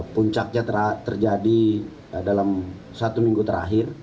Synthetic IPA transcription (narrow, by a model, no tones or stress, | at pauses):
puɲt͡ʃak̚ɲat̪əɾat̪ərd͡ʒadi | dalam | sat̪umiŋɡut̪əɾa̰ɦɪr